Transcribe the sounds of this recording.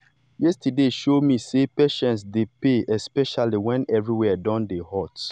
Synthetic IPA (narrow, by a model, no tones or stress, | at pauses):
jɛstədeʃomisepeʃɛ̃ntsdepeɛspɛʃaliwɛ̃nɛvɹiwɛdɔ̃ndehɔt